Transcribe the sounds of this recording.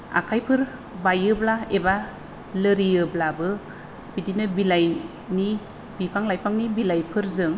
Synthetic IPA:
a̰kʰajpʰɯɾ | bajɯblaeba | lɯɾiɯblabɯ | b̥idinɯbilaj | ni | bipʰaŋlajpʰaŋnibilajpʰɯɾzɯŋ

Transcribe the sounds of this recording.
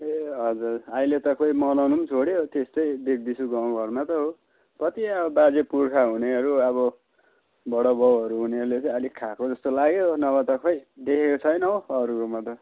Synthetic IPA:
eɦʌd͡zurajlet̪ʌkʰʌjmʌlʌnumt͡sʰoɽeot̪est̪ʌjd̪ek̚d̪isʰuɡaw̃ɡʱʌrmat̪ʌɦo | pʌt̪iʌbʌbad͡zepurkʰaɦuneʌɾuʌβʌ | bʌɽʌbʌwʌɾuɦuneʌɾulet͡sʌ̃jʌlikʰakod͡zʌst̪olaɡeɦonʌβʌt̪ʌkʰʌjd̪ekʰekot͡sʰʌjnʌoʌɾuɾomat̪ʌ

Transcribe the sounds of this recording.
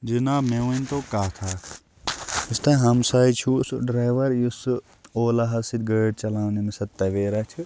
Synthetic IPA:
d͡ʒinaːbmeʋɐnt̪oːkaːt̪ʰaː | ist̪ɐɦɐmsaːit͡ʃʰusɖɾaːjʋɐɾjus | oːlɐɦɐsid̪̚ɡɐːɖt͡ʃɐlaːʋnimisɐt̪ːɐʋeːɾɐt͡ʃʰɨ

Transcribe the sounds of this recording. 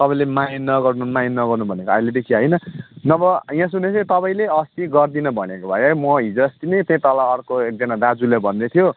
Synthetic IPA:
t̪ʌpãĩlemajnnːʌɡʌrnumajnnːʌɡʌrnubʱʌnekoajled̪ekʰiɦʌjnʌnʌbʌjãsunesʰʌ̃t̪ʌpaĩleʌst̪iɡʌrd̪inʌbʱʌnekobʱajomʌɦid͡zʌst̪inʌt̪jʌ̃t̪ʌlaːrkoek̚d͡zʌnad̪ad͡zulabʱʌnːet̪ʰijo

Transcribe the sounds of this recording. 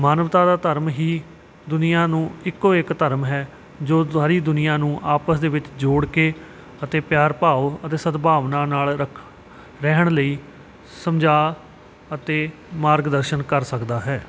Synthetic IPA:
maːnəʋt̪aːd̪aːt̪əɾmɦiː | d̪ʊnɪjãːnũːɪkːoːɪkt̪əɾmɦɛː | d͡ʒoːaːɾiːd̪ʊnɪjãːnũːʔaːpəsd̪eːʋɪt͡ʃd͡ʒoːɽkeː | ət̪eːpjaːɾpaːoːət̪eːsət̪bʱaːʋnaːnaːləkʰ | ɾɛɦəɳləiː | səmd͡ʒaː | ət̪eːmaːɾɡd̪əɾʃənkəɾsəkd̪aːɦɛː

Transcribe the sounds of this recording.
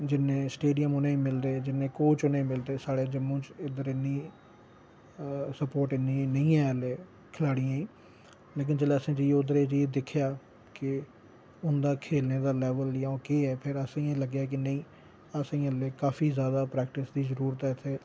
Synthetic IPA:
d͡ʒɪnːẽːsʈeːɖijəmʊnẽĩːmɪld̪eːd͡ʒɪnːẽːkoːt͡ʃʊnẽːmɪld̪eːsaːɽeːd͡ʒəmːõːt͡ʃɪd̪əɾɪnːiː | səpoːɾʈɪnːĩːnəĩːɛ̃ːleː | kʰɪlaːɽijãːĩː | leːk̬ɪnd͡ʒəleːəsẽːd͡ʒiːʊd̪əɾeːt͡ʃiːd̪ɪkʰːɪjaː | kɪ | ʊnd̪aːkʰeːlneːd̪aːlɛːʋəljãõːkeːɛːpʰɪɾəsĩːẽːləɡjaːk̬ɪnə̃ĩː | əsĩːəleːkaːfiːzjaːd̪aːpɾɛːkʈɪsd̪iːzəɾuːɾət̪ɛːt̪ʰːeː

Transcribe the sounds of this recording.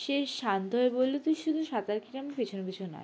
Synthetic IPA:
ʃeʃand̪oebolːet̪uʃud̪ʱuʃat̪aɾkʰiʈampet͡ɕʰonokit͡ɕʰuna̰

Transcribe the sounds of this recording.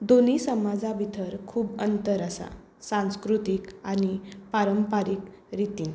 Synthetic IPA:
d̪onisəmad͡zabʱit̪ʰəɾkʰuːbənt̪əɾəsa̰ | sãñskɾut̪ikañipaɾəmpaɾikɾit̪iːn

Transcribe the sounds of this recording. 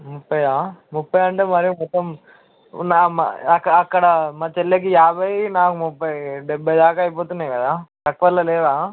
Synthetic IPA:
mupːɐjaːmupːɐjɐɳʈeːmɐɾijumɔt̪ːom | naːma̰ɐkːɐːkːɐɽɐmaːt͡ʃɛlːek̬ijaːbʱɐjnaːkumupːɐjɖɛbʱːɐjd̪aːkaːjp̬oːt̪unːaːjkɐd̪aːt̪ɐkːuʋɐlːɐlɛːdaː

